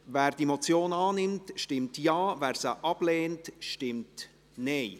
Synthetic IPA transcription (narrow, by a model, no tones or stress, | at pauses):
væːɾd̥iemot͡sjoːnɑːnɪmtʃtɪmtjɑːvæːɾsəʔɑb̥leːntʃtɪmt | nɛɪ